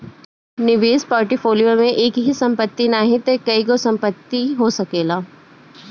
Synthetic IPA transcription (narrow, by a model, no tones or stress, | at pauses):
nɪʋeːspɔːɾʈɪfʰoːlijomẽʔeːkɦisɐ̃mpət̪ːinaːɦĩt̪ekɐikosɐ̃mpət̪ːiɦosɐkeːlaː